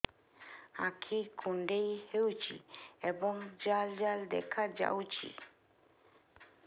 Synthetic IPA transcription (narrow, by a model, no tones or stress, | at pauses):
ãkʰikʰũɳɖejhewt͡ʃʰḭebɔŋd͡ʒald͡ʒald̪ɛ̰kʰad͡ʒa̰wt͡ʃʰḭ